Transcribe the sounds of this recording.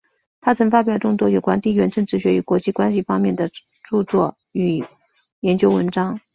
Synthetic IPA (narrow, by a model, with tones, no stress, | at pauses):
t̪ʰa˥t͡sʰɤ˧˥ŋfa˥p̬jɑ˨˩ʊʈ͡ʂʊ˥˧ŋt̪wɔ˥jo˨˩ʊkwa˥nt̪i˥˩ɥɛ˧˥nʈ͡ʂɤ˥˧ŋʈ͡ʂɻ̩˥˩ɕɥɛ˧˥y˧˩kwɔ˧˥t͡ɕi˥˩kwa˥nɕi˨fɑ˥ŋmjɛ˥˩nd̪ə˩ | ʈ͡ʂu˥˧t͡swɔ˥˩ | y˨˩ | jɛ˧˥nt͡ɕjo˥ʊwə˧˥nʈ͡ʂɑ˥ŋ